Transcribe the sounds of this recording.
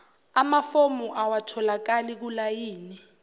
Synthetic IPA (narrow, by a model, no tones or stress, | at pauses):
amafomuʔawatʰɔlakalik̬ulajiːni